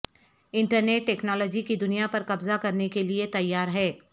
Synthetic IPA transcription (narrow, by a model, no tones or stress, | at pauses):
ɪ̃ɳʈəɾneːʈːɛːknɔːlɔːd͡ʒikid̪ʊnijapɐɾkɐbzakɐɾnekeliet̪ɐjːaːɾɦɛː